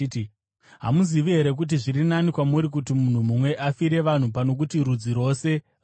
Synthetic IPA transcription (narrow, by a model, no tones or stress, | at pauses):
ɦa̰muziʋiɦe̞ɾe̞k̬ut̬iʐirinanikwamuɾik̬utimun̤umumwe̞ʔafiɾe̞ʋan̤upano̞k̬utiɾud͡ziɾo̞ːse̞ | r